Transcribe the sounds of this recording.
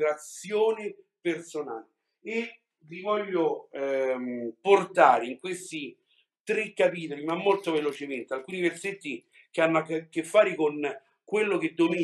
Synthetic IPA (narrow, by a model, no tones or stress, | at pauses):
ɾat̪sjoːnɪpersona̰ːleː | vivɔʎːo | mport̪aːɾeiŋkwest̪i | t̪ɾekːapiːt̪olimamːolt̪ovelot͡ʃement̪ealkuːniverset̪ːi | keanːʊakːkːefːaːɾekon | kwelːok̟ed̪ːomi